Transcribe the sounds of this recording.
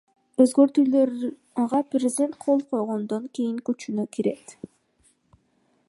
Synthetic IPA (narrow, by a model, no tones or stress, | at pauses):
øzɡø̞ɾt̪yløɾ | ʁɑprʲɪzʲɪd̪ʲe̞nt̪̚qʰo̞lˠqʰo̞jʁond̪oŋkijiŋkyt͡ʃynøkiɾe̞t̪